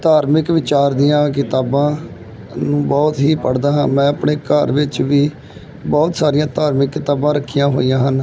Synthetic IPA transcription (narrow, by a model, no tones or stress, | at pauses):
t̪aːɾmɪkʋɪt͡ʃaːɾd̪ɪjãːk̬ɪt̪aːbãː | nũːbɔːt̪ɦiːpəɽd̪aːɦãːmɛ̃ːəpɳeːkəɾʋɪt͡ʃʋiː | bɔːt̪saːɾijãːt̪aːɾmɪkːɪt̪aːbãːɾəkʰːijãːɦo̰ːijãːɦən